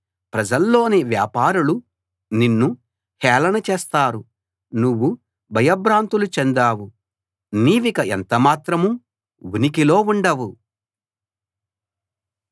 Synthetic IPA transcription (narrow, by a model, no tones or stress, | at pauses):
pɾɐd͡ʒɐlːo̞ːniʋja̰ːpaːɾulu | ninːu | hɛːlɐnɐt͡ʃeːst̪aːɾu | nuʋːu | bʱɐjɐbɾaːnt̪ulut͡ʃɛnd̪aːwu | niːʋikɐʔent̪ɐmaːt̪ɾɐmu | ʋunikilo̞ːuɳɖɐʋu